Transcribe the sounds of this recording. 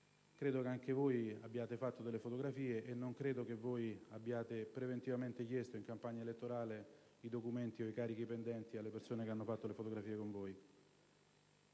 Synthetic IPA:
kɾeːd̪okeaŋk̟evojabːjaːt̪efat̪ːod̪elːefot̪oɡɾafiːeʔenːoŋkɾeːd̪okevoːjabːjaːt̪epɾevent̪ivament̪ek̟jest̪oiŋkampaɲːaelet̪ːoɾaːle | id̪okument̪ioikaːɾik̟ipend̪ɛnt̪ialːepersoːnekeanːofat̪ːolefot̪oɡɾafiːekoɱvoːj

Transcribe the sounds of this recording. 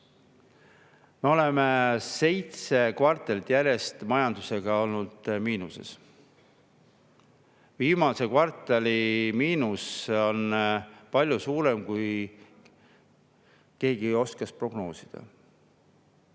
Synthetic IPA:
me̞o̞le̞mese̞jt̪se̞kvɑrt̪ːˑelt̪jæɾje̞st̪mɑjɑnd̪̥use̞ɡ̥ɑo̞lnud̪̥miːnuse̞̰s | viːmɑse̞kvɑrt̪ːˑelʲimiːnuso̞npɑlʲjusuːɾe̞mkuj | ke̞ːɡio̞skɑspro̞ɡ̥no̞ːsid̪̥ɑ̰

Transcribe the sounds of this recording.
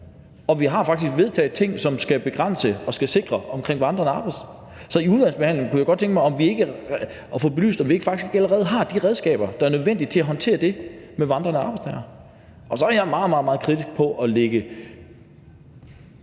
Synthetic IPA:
ɒ̽ʋiɦɑ̈fɑ̈ɡ̥d̥isɡ̥ʋe̝ð̞ˠt͡sʰɛ̰ːð̩ˠt͡sʰe̝ŋ̰sɒ̽msɡ̥æb̥e̝ɡ̥ʁan̰səɒ̽sɡ̥æse̝ɡ̥ʁɐɒ̽mkʰʁeŋ̰ʋɑ̈nd̥ʁɐnəɑ̈ːb̥ɑ̈ɪs | sɒ̽iuð̞ˠænsb̥ehæn̰leŋkʰujɑɪɡɒ̽d̥̚t͡sʰeŋɡ̥mɑɪɒ̽mʋie̝ɡ̥ə | fɔ̽ːbe̝ly̰ːsd̥ɒ̽mʋie̝ɡ̥əfɑ̈ɡ̥isɡ̥e̝ɡ̥æləʁɛːð̞̩ˠɦɑ̈d̥iʁɛð̞ˠsɡ̥ɛ̰ːb̥ɐd̥ɑ̈æɐnøð̞ˠʋen̰d̥id̥̚t͡sʰe̝æɦɒ̽nt͡sʰe̝̰ːɐd̥e̝meʋɑ̈nd̥ʁɐnəsɑ̈ːb̥ɑ̈ɪst͡sʰɛɪɐ | ʔɒ̽sɒ̽æɐjɑ̈ɪmɑ̈ːð̩ˠmɑð̩ˠmɑ̈ːð̞̩ˠkʰʁid̥isɡ̥̚pʰɒ̽ʔɒleɡ̥ə

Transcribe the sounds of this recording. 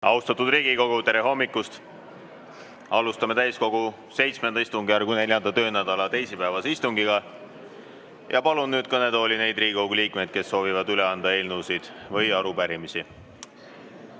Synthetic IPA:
ʔɑuwst̪ɑt̪ːud̪riːɡ̥iko̞ɡ̥ut̪e̞ɾeɦo̞mːikːˑust̪ | ɑlust̪ɑme̞t̪æjsko̞ɡ̥u | se̞jt̪sme̞nd̪ɑist̪uŋɡiɑɾrɡ̥une̞ljɑnd̪ɑt̪ø̞ːnæd̪̥ɑlɑt̪e̞jsipævɑseist̪uŋɡiɡ̥ɑ | jʔɑpɑlunːyːd̪̥kɤne̞d̪o̞ːline̞jd̪̥riːɡikowɡuliːkme̞jd̪̥ke̞sːo̞ːvivɑd̪yleɑnd̪̥ɑe̞ːlnusid̪̥vɤjɑɾupæɾimisi

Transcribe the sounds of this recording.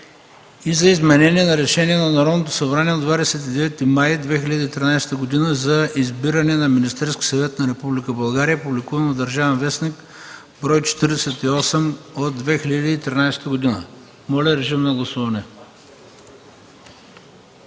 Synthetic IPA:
izɐizmɛnɛniɛnɐɾɛʃɛniɛnɐnɐɾɔd̪not̪̬o̥sɐbɾaniɛod̪vad̪ɛsɛt̪id̪ɛvɛt̪ːimajd̪vɛxiʎʲəd̪iːt̪ɾinajsɛ̥t̪əɡod̪inəzɐizbiɾɐnɛnɐminist̪ɛɾskʲi̥sɐvɛt̪nɐɾɛpublikəbɐlˠɡaɾijəpublikuvənovd̪ɐɾʒavɛnvɛsnik | bɾɔjt͡ʃɛ̥t̪iɾd̪ɛsɛt̪iɔsɛmod̪ːvɛxʲilʲəd̪iːt̪ɾinaɪjsɛ̥t̪əɡod̪inə | mɔlʲɛɾɛʒimnɐɡlˠɐsuvɐnɛ

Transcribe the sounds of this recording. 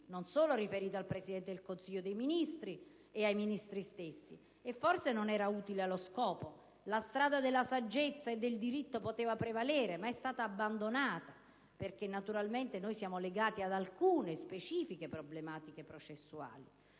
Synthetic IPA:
nonsoːloɾifeɾiːt̪oalpɾesid̪ɛnt̪ed̪ilkonsiʎːod̪ejminist̪ɾi | eajminist̪ɾist̪esːḭ | efːorsenonɛːɾauːt̪ilealoskɔːpo | last̪ɾaːd̪ad̪elːasad͡ʒːet̪sːaed̪ːeld̪iɾit̪ːopot̪eːvapɾevalɛːɾemaɛst̪aːt̪aːbːand̪onaːt̪a | perk̟enːat̪uɾalment̪enojsjaːmoleɡaːt̪iad̪alkuːnespet͡ʃiːfikepɾoblemaːt̪ikepɾot͡ʃesːua̰ːli

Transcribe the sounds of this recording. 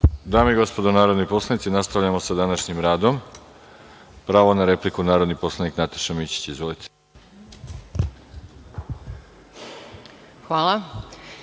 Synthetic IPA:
d̪aːmiiɡo̞spod̪onaːɾod̪nojpo̞slˠanit̪sinast̪aʋʎamo̞sad̪anaʃɲimɾaːd̪o̞m | pɾaːʋonaɾe̞plikunaːɾo̞d̪nipo̞slˠaniknat̪ḁʃamit͡ɕi̥t͡ɕizʋolit̪ʰe̥ | xʋaːlˠa

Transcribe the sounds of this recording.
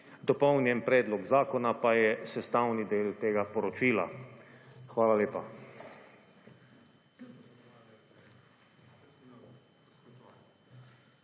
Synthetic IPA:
d̪ɔpɔwnjɛnpɾɛːd̪lɔɡzaːkɔnapajɛsɛst̪awnid̪eːlt̪eːɡapɔɾɔt͡ʃiːla̰ | xʋaːlaleːpa

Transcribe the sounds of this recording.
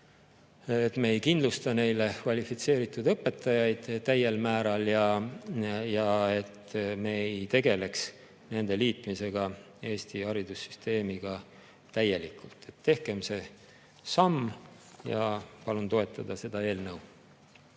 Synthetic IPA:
et̪meejkind̪lust̪ɑne̞jle̞kvɑlʲifit̪se̞ːɾit̪ːˑud̪ɤpːˑe̞t̪ːˑɑjɑjd̪̥t̪æje̞lmæːɾɑljɑ | jɑe̞t̪me̞ejt̪e̞ɡ̥e̞le̞ks | ne̞nd̪̥e̞liːt̪ˑmise̞ɡ̥ɑ | e̞ːst̪iɑɾid̪usy̥st̪ʰe̞ːmiɡ̥ɑ | t̪æje̞likˑult̪ˑːe̞t̪ːe̞hke̞mse̞ | sɑmːjɑpɑlunt̪o̞e̞t̪ːˑɑd̪̥ɑse̞d̪̥ɑe̞ːlnəw

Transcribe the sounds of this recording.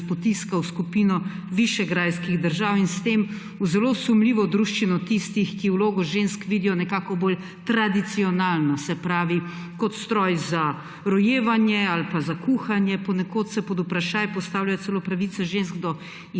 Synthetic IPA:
pɔt̪iskawskupinɔ | ʋiʃɛɡɾajskiɣd̪əɾʒawinst̪em | uzɛlosumliːʋɔd̪ɾuʃt͡ʃinɔt̪ist̪ixkiwloːɡɔʒenskʋiːd̪ijɔnɛkaːkɔboːl | t̪ɾad̪it̪siɔnaːlnɔsɛpɾaːʋi | kɔt̪st̪ɾɔjza | ɾɔjeːʋanjɛalpazakuxanjɛpɔnɛkoːt̪sɛpɔd̪upɾaʃaːjpɔst̪aːwljajɔt̪sɛlopɾaʋit̪sɛʒensɡd̪ɔ

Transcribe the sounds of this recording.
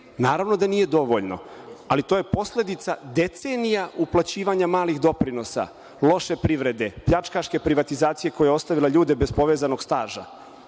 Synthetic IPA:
naːɾaʋno̞d̪anije̞d̪o̞ʋo̞ʎno̞̰alit̪o̞je̞po̞slʲe̞d̪it̪sad̪e̞t̪se̞nijaʔuplˠat͡ɕiːʋaɲamaːlixd̪o̞pɾino̞sa̰ | lo̞ʃe̞pɾiʋɾe̞d̪e̞pʎat͡ʃkaʃke̞pɾiʋat̪izaːt̪sije̞ko̞jejo̞st̪aʋilaʎuːd̪ebe̞spo̞ʋe̞ːzano̞ɡst̪aːʒa

